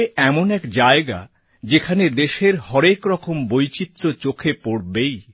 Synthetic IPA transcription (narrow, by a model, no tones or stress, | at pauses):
ɛmonɛkd͡ʑaeɡa̰ | d͡ʑekʰaned̪eʃeɾhɔɾekɾɔkombojt͡ɕit̪ːɾot͡ɕokʰepoɽbej